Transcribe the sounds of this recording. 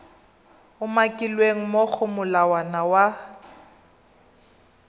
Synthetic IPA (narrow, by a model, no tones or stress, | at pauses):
ʊmakʼilweŋ̩mok͡xʰʊmʊlawanawa